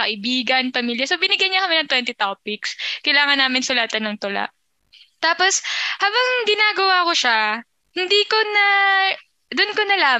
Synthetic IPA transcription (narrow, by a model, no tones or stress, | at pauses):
kɐʔɪbiːɡɐnpɐmiljɐsobɪnɪɡjɐjɲːɐkɐmɛnɐŋt̪wɛnt̪ɪt̪opɪkskɐjlaːŋɐnːaːmɪnsʊlaːt̪ɐnːɐŋt̪ʊla̰ʔ | t̪aːposhaːbɐŋɡɪnaːɡɐwakoʃa | hɪnd̪iːkonɐ | d̪ʊnkonɐlaː